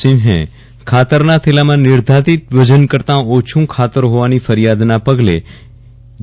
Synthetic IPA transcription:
inɦɛ̰̃ | kʰat̪əɾnat̪ʰelamãnɪɾd̪ʱat̪it̪ʋəd͡ʒənkəɾt̪ãot͡ʃʰũkʰat̪əɾɦoʋanifəɾijad̪napəɡle

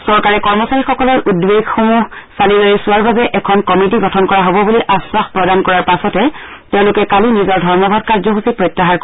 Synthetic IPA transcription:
sɔɹkaɹɛkɔɹmɔsaɹixɔkɔlɔɹʔudweɡxomusalilojisʊaɹbazɛʔɛkʰɔnkɔmit̬iɡɔtʰɔnkɔɹaɦobɔbuliʔaswaxpɹɔdankɔɹaɹpasɔtɛ | tɛʊ̃lʊkɛkalinizɔɹdʱɔɹmɔbʱadkaɹzɔɦusipɹɔjtːaɦaɹk

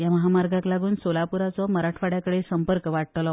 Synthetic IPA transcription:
jaməɦamaɾɡãklaɡuːnsolapuɾat͡sɔməɾaʈʰʋaɽjakəɽesəmpəɾkəʋaʈt̪lɔ

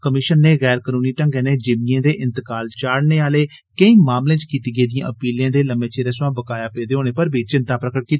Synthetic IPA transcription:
kəmɪʃənːeːɣɛːɾkənũːniːʈə̃ŋɡɛːneːd͡ʒɪmɪjãːd̪eːʔɪ̃nt̪əkaːlt͡ʃaːɽneːaːleː | kəĩːmaːmlẽːt͡ʃkiːt̪iːɡəeːd̪ijã̰ːʔəpiːljãːd̪eːləmẽːt͡ʃeːɾeːsãːbəkaːjaːpeːd̪eːɦoːñeːpəɾbʱiːt͡ʃɪnt̪aːpɾəkəʈ̚kiːt̪ː

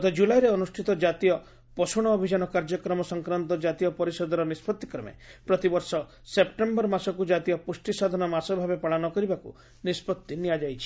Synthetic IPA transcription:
t̪ɔd͡ʒulajɾeɔnusʈʰit̪ɔd͡ʒat̪ijɔ | pɔsuɽ̃ɔːbʱid͡ʒanɔkaɾd͡ʒɔkɾɔmɔsɔŋkɾant̪ɔd͡ʒat̪ijɔpɔɾisɔd̪ɔɾɔnispɔt̪ːi̥kɾɔmḛpɾɔt̪ibɔɾsɔ | sep̚ʈembɔɾmasɔkud͡ʒat̪ijɔpusʈisad̪ʱɔnɔmasɔbʱabepaɭanɔkɔɾibakṵ | nispɔt̪ːiniad͡ʒajt͡ʃʰi̥

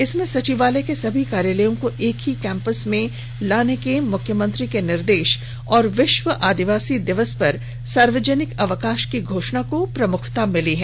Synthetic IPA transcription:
ɪsmẽsɐt͡ʃiʋaːlekesɐbʱikaːɾjaːləjõkoʔeːkɦikɛ̃ːmpəsmẽ | laːnekemʊkʰjəmə̃nt̪ɾikenɪɾd̪eːʃ | ɔːɾʋɪʃʋəʔaːd̪ɪʋaːsid̪ɪʋəspɐɾ | saːɾʋəd͡ʒənɪkɐʋəkaːʃkiɡʱoːʃnakopɾɐmʊkʰt̪amɪliɦɛː

